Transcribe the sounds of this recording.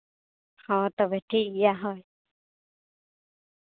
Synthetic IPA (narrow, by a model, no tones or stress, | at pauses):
hɔ̃t̪ɔbɛʈʰiijaɦɔj